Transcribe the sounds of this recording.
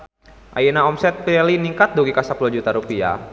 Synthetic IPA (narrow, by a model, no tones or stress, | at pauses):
ʔa̰jinaɔmsɛt̪̚piɛliniŋkat̪̚duɡikasapuluhd͡ʒut̪aɾupia̰